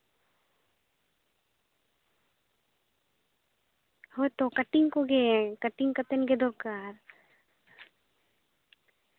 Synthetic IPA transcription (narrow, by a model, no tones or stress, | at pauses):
hot̪okɐʈiŋkoɡekɐʈiŋkɐt̪enɡed̪oɾkaːɾ